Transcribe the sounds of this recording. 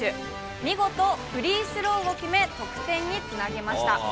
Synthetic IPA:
ɨ | mʲiɡo̞t̪o̞ɸɯ̟ɾʲiːsɨɾo̞ːɡokʲime̞t̪o̞kɯ̟̥t̪ẽ̞ɲ̟ːit͡sɨnaɡe̞maɕi̥t̪a

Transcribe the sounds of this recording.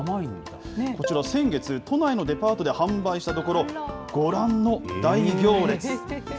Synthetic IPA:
ain | ko̞t͡ɕiɾasẽ̞ŋɡe̞t͡sɨt̪o̞naino̞d̪e̞paːt̪o̞d̪ehãmbaiɕi̥t̪at̪o̞ko̞ɾo̞ɡ̥o̞ɾãnːo̞d̪aiɡʲo̞ːɾe̞t͡sɨ

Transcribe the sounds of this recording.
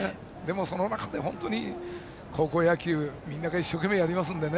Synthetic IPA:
d̪e̞mo̞so̞no̞nakad̪e̞ɦõ̞nt̪o̞ɲ̟i | kʰo̞ːko̞ːjakʲɯːmʲĩnːaɡaiɕːo̞ke̞me̞jaɾʲimas̬ɨ̃nd̪e̞ne

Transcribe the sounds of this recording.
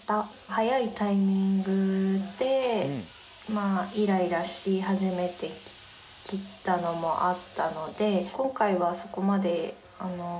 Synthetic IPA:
t̪a | hajait̪aimʲĩŋɡɯ̟d̪̥e̞ | maiɾaiɾaɕihaʑime̞t̪e̞ | kʲit̪ːano̞mo̞ʔat̪ːano̞d̪e̞kõ̞ŋkaiβaso̞ko̞mad̪e̞ | ano̞

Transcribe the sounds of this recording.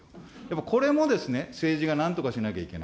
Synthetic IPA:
japːakʰo̞ɾe̞mo̞d̪e̞sɨne̞se̞ːʑiɡanãnt̪o̞kaɕinakʲaikʲe̞̰na̰

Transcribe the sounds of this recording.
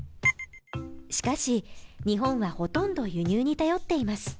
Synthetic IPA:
ɕi̥kaɕiɲ̟iɦõ̞ɰ̃βaho̞t̪õ̞nd̪o̞jɯ̟ɲ̟ɨːɲ̟it̪ajo̞t̪ːe̞imasɨ̥

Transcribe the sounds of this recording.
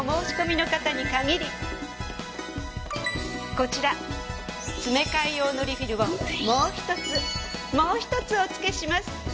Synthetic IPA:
mo̞ːɕi̥ko̞mʲino̞kat̪aɲ̟ikaɡʲiɾʲi | ko̞t͡ɕiɾa | t͡sɨme̞kaijo̞ːno̞ɾʲiɸiɾɯ̟βomoːçi̥t̪o̞t͡sɨmo̞ːçi̥t̪o̞t͡sɨo̞t͡sɨ̥ke̞ɕimasɨ̥

